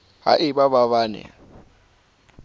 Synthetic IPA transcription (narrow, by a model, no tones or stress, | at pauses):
ha̰ʔɪbaβaβaːnɛ̰